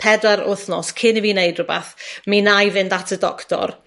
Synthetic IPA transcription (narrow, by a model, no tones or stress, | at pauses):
pʰɛdaɾʊθnɔskʰɪnivineɨdrʊbaθminajvɪndatʰədɔ̰ktɔ̰r